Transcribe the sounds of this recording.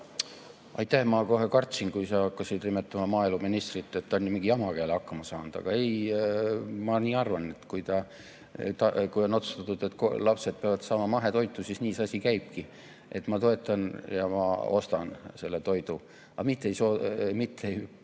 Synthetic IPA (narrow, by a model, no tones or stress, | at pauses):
ɑ̰jt̪ːˑæhmɑko̞ɦe̞kɑrt̪sinkujsɑɑkːɑsid̪limet̪ːˑɑmɑmɑːiluminist̪rit̪ˑːe̞t̪ːonʲnimiŋɡ̥iɑmɑkeːlɑkːɑmɑsɑːnd̪̥ɑ̰ɡ̥ɑe̞j | mɑniːɑrvɑne̞t̪ːkujt̪ɑ | t̪ɑkujo̞nːo̞t̪su̥st̪ɑt̪ːud̪̥e̞t̪ːˑko̰lɑpse̞d̪̥̚peɑvɑd̪̥sɑːmɑmɑɦe̞t̪o̞jt̪ːˑusisniːsɑsʲikæjb̥̚ki | ʔe̞t̪ːˑmɑt̪o̞e̞t̪ˑːɑnjɑmɑ̰o̞̰st̪ɑnse̞lːet̪o̞jd̪̥u | ɑ̰mit̪ˑːejsoːmit̪ːˑej